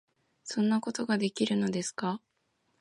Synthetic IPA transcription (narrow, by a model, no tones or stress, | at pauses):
sõ̞nːako̞t̪o̞ɡad̪e̞kʲiɾɯ̟no̞d̪e̞sɨ̥ka